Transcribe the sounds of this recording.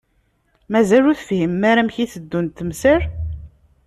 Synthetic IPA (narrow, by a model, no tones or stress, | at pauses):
mæzæluθfhimːæɾæmçiθəd̪ːunt̪ːəmsəɾ